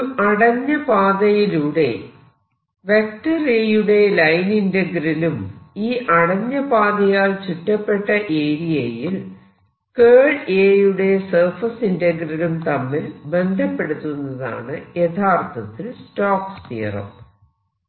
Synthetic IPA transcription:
ɐɽɐɲːɐbaːðɐjiluːɽe̞̰ | ʋek̚ʈɐrejuɽe̞lɐjnindɐɡrɐlumiːʔɐɽɐɲːɐbaːðɐjaːlt͡ɕiʈːɐpːe̞ʈːɐʔe̞ːɾijejil | keːɭeːjuɽe̞sɐrfɐsindɐɡrɐlumt̪ɐmːilbe̞nd̪ʱɐpːe̞ɽut̪ːunːɐða̰ːɳɨjet̪ʰaːrt̪ʰɐt̪ːilstoːkst̪ḭːrɐ̰m

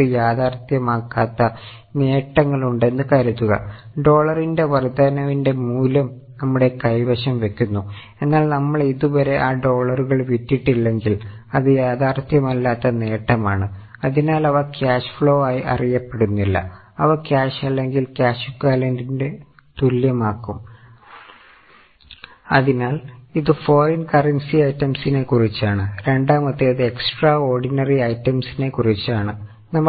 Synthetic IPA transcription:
ɨjaːðaːrt̪jɐmaːkːaːt̪ːɐ | ne̞ːʈːɐŋːɐɭuɳɖe̞nːɨkaːɾɐt̪ːuɣɐ̰ɖo̞ːɭɐrinde̞ʋɐrd̪anɐʋinde̞muːlɐm | nɐmːuɽe̞kɐjbɐɕɐmʋe̞kʲːunːu | e̞nːaːɭnɐmːɐɭiðuʋɐɾe̞ʔaːɖo̞ːɭɐruɣɐɭʋitːiʈːilːe̞ŋɡilɐðɨjaːðaːrt̪jɐmɐlːaːt̪ːɐne̞ːʈːɐmaːɳɨ | ɐðinaːlɐʋɐkʲaːɕfɭo̞ːaːjiʔɐ̰rijɐpːe̞ɽunːilːɐ̰ | ɐʋɐkʲaːɕɐlːe̞ŋɡilkʲaːɕukːaːlendinde̞ | t̪uljɐmaːkːum | ɐðinaːliðɨfo̞ːrɐnkɐrɐnsiɐjtːɐmsine̞kurit͡ɕːaːɳɨɾe̞ɳɖaːmɐt̪ːiɐðɨeksʈraːo̞ːrɖinɐriɐjtːɐmsine̞kurit͡ɕːaːɳɨ | nɐmː

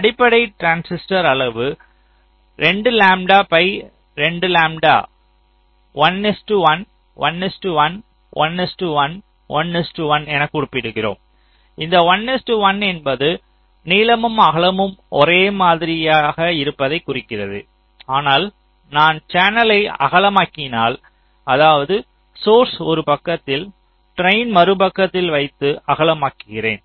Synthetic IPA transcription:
ɐɽɪpːɐɽɐɪʈɾaːnsɪsʈɐɾɐɭɐʋɯ | ɾɛɳɖɯlaːmɖaːpɐɪ | ɾɛɳɖɯlaːmɖa̰ː | ʋɐnːɪsʈɯʋɐn | ʋɐ̰nːɪsʈɯʋɐn | ʋɐ̰nːɪsʈɯʋɐn | ʋɐnnɪsʈɯʋɐnɛnɐkːʊɽɯpːɪɽɯɣɪro̰ːm | ɪnd̪ɐʋɐnːɪsʈɯʋɐnɛnbɐðɯ | niːlɐmɯmɐɣɐɭɐmɯmʔɔɾeːmaːðɪɾɪjaːɣɐɪɾɯpːɐðɐɪkːʊrɪkːɪrɐðɯ̰ | aːnaːl | naːnt͡ʃaːnɐlɐɪɐ̰ɣɐɭɐmaːkɪnaːl | ɐðaːʋɐðɯ | soːɾsɔɾɯpɐkːɐt̪ːɪl | ʈɾɐɪnmɐɾɯbɐkːɐt̪ːɪlʋɐɪt̪ːɯʔɐɣɐɭɐmaːkːɯɣɪrḛːn

